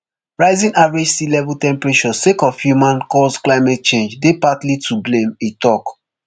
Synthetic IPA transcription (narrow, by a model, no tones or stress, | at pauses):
ɹaɪzĩnavɹed͡ʒsilɛvultɛ̃mpɹet͡ʃɔsekɔfhjumãnkɔsklaɪmɛt̚t͡ʃẽnd͡ʒdepatlitʰublẽmetɔk